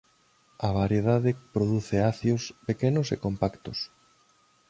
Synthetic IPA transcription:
ɐβaɾjeðaðɪpɾoðuθeaθjospekenʊsḛkompakt̪ʊs

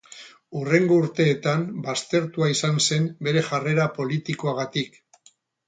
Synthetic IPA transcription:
ure̞ŋɡo̞uɾt̪e̞ːt̪ambast̪e̞ɾt̪uaisanse̞mbe̞ɾe̞ʝare̞ɾapo̞lit̪iko̞aɣat̪ik

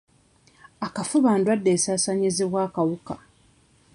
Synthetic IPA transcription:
akafuβaːndwadːeːsaːsaɲiziβwaːkawuka

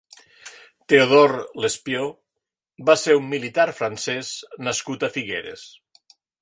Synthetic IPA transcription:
t̪eoðoɾlespjo | baseɾumːilit̪aɾfɾansɛznaskut̪afiɣḛɾḛs

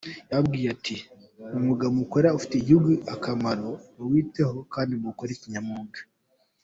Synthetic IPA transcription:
jaβbɡiːjeatʰi | umuɡamukoɾaufi̥teiɟuɡuʔakamaɾo̞muwiːte̞ho̞kaːndimukoɾeciɲamuːɡḁ

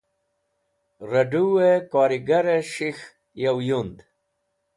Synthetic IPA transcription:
ɾɐɖuwekɔːɾiɡaɾeʂix | jawjund̪

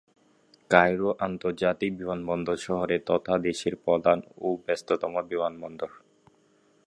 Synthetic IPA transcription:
kajɾoʔant̪oɾd͡ʑat̪ik̚bimanbɔnd̪oɾʃɔɦoɾet̪ɔt̪ʰad̪eʃiɾpɾɔd̪anobɛst̪ot̪ɔmobimanbɔnd̪oɾ

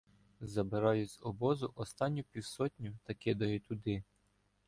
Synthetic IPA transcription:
zɐbɪɾɑjʊzʲɔbɔzʊʔɔst̪ɑnʲːʊpʲiwsɔt̪ʲnʲit̪ɐkɪd̪ɐjʊt̪ʊd̪ɪ

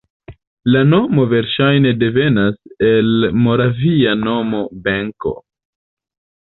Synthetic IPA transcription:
lano̞mo̞ve̞ɾʃajne̞de̞ve̞nase̞lmo̞ɾaviano̞mo̞beŋko̞̰

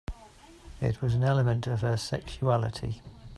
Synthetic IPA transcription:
ɪ̰ʔʰwɒzə̃nɛləmə̃ntəv̥əsɛ̰kʃualɪtʰḭ

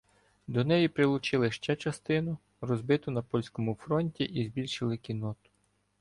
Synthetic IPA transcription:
d̪ɔnɛjipɾɪlˠʊt͡ʃɪlˠɪʃt͡ʃɛt͡ʃɐst̪ɪnʊ | rɔzbɪt̪ʊnɐpɔlʲsʲkɔmʊfɾɔnʲtʲiʔizbʲilʲʃɪlˠɪkʲinɔt̪ʊ̥

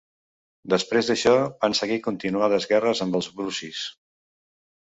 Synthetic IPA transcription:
d̪əspɾezðəʃɔβansəɣikunt̪inuaðəzɣɛrəzəmbəlˠzβɾusis

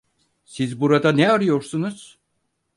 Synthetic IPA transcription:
sizbuɾad̪anɛaɾɯjo̞ɾsunuz̥

